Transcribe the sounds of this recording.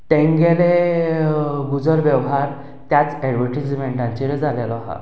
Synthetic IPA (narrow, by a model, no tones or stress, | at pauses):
t̪ẽŋɡele | ɡud͡zəɾʋɛʋɦaɾ | t̪jat͡sɛɖʋəɾʈid͡zmeɳʈãɲt͡ɕiɾed͡zʱalelɔɦã̰